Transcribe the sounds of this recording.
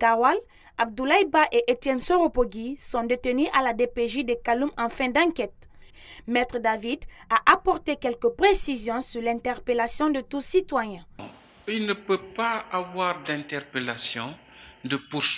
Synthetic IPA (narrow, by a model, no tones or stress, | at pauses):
ɡawal | ab̚d̪ulajbaʔeʔet̪jɛnsoʁopoɡisɔ̃d̪et̪ənyʔalad̪epeʒid̪ekalumɑ̃fɛ̃d̪ɑ̃kɛt̪̚ | mɛt̪ʁəd̪avid̪aʔapɔʁt̪ekɛlkəpʁesizjɔ̃syʁlɛ̃nt̪ɛʁpelasjɔ̃d̪ət̪usit̪wajɛ̃ | ilnəpøpaːvwaʁd̪ɛ̃nt̪ɛʁpelasjɔ̃ | d̪əpus